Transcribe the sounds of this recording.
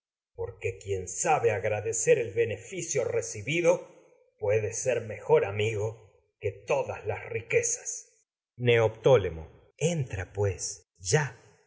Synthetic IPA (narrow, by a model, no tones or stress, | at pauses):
po̞ɾkekje̞nsaβeaɣɾaðeseɾelβe̞nefisjo̞resiβiðo̞ | pwe̞ðeseɾme̞xo̞ɾamiɣo | ke̞t̪o̞ðaslasrikesḁs | neop̚t̪o̞lemo̰ | ent̪ɾapwes | ʒa